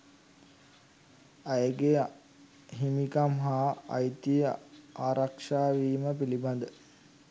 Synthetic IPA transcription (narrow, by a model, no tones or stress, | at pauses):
ajəɡe | ɦimikamɦa̰ːjt̪iəaːɾakʂaːʋiːməpiliband̪ə